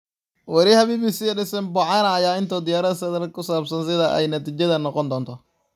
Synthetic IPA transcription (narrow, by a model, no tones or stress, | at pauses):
wɐɾihɐβiːbiːsiːɛɖɪsɐnbɐʕɑnɐːjaːɪnt̪ʰɔːd̪ɪjaːɾɐðɐsɐðɐlkʰʊsaːbsɐnsɪðɐʔɛ̰jnɐt̪iːt͡ʃɐðɐnɔqɔnd̪ɔːnt̪ʰɔ